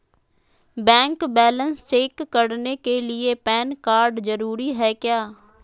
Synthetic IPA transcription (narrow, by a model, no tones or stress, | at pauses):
bɛ̃ːŋkbɛːlənst͡ʃeːkːəɽneːkeːlɪeːpɛːnkaːɾɖzəɾuːɾiːɦɛːkɪjaː